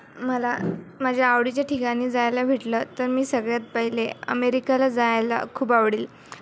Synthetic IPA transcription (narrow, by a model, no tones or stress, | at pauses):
məlamad͡ʑʱjaːʋɽit͡ɕjaʈʰikaɽ̃iːd͡zajlaʋʱiʈlət̪əɾmiːsəɡɭjat͡spəɦileə̰meɾikalad͡zajla̰kʰuːbaʋɽiːl